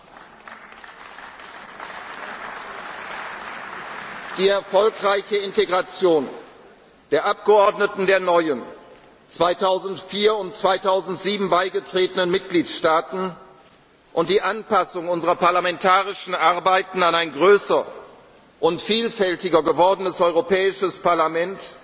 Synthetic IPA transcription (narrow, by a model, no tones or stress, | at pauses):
d̥iːɛɐfɔlkʁaɪçəɪnteɡʁat͡sjoːn | d̥eːɐʔap̚ɡ̥əʔɔɐdnətn̩deːɐnɔʏən | t͡sv̥aɪtʰaʊzn̩tfiːɐʊntt͡sv̥aɪtʰaʊzn̩tz̥iːbm̩baɪɡətʁ̥eːtənənmɪt̚ɡ̥liːtʃtaːtn̩ | ʔʊnt̚d̥iːʔanpasʊŋʊnzəʁɐpaɐlamɛntʰaːʁɪʃn̩ʔaʁbaɪtn̩anaɪnɡʁøːsɐ | ʔʊntfiːlfɛltɪɡɐɡəvɔɐdən̩əsɔʏʁopɛːɪʃəspaɐlamɛnt